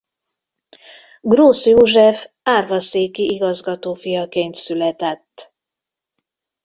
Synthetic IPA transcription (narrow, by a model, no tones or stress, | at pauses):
ɡroːsjoːʒɛf | aːrvɒseːkiʔiɡɒzɡɒt̪oːfijɒkeːnt̪sylɛt̪ɛt̪ː